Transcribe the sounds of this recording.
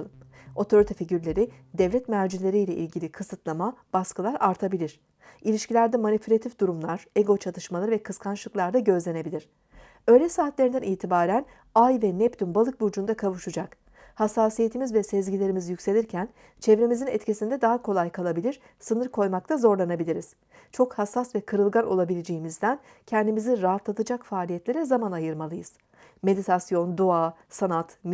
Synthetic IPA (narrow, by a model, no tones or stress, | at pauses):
lˠɯmo̞t̪ʰo̞ɾit̪ʰafiɟyɾlʲe̞ɾi | d̪ɛvlʲɛt̪mæɾd͡ʒilʲe̞ɾijlʲɛʔḭlʲɟilʲikʰɯsɯt̪lˠamab̥askɯlˠaɾaɾt̪ʰabilʲiɾ̥ | ilʲiʃcilʲæɾd̪ɛmanipʰylʲat̪ʰifd̪uɾumlˠaɾ̥eɡo̞t͡ʃʰat̪ʰɯʃmalˠaɾɯvɛkʰɯskʰant͡ʃlˠɯklˠaɾd̪aɟø̞zlʲe̞ne̞bilʲiɾ̝̥ | ø̞jlʲɛsaːt̪lʲe̞ɾind̪æniːt̪ʰibaːɾæn | ajvɛnɛpt̪ynbalˠɯk̚bud͡ʒund̪akʰavuʃud͡ʒak | hasːaːsijet̪ʰimizvɛsɛzɟilʲeɾimizjycʲse̞lʲiɾcʰæn | t͡ʃʰɛvɾemizinɛt̪cisind̪ɛd̪aɦakʰo̞lˠajkʰalˠabilʲiɾ̥ | sɯnɯɾkʰo̞jmak̚t̪ʰazo̞ɾlˠanabilʲiɾiz̥ | t͡ʃʰo̞khasːasvɛkʰɯɾɯlˠɡano̞lˠabilʲed͡ʒejimizd̪æn | cʰɛnd̪imiziɾaɦat̪lˠat̪ʰɯd͡ʒakfaːlʲijɛt̪lʲe̞ɾɛzamanajɯɾmalˠɯjɯz̥ | me̞d̪it̪ʰasjo̞nd̪oasanat̪m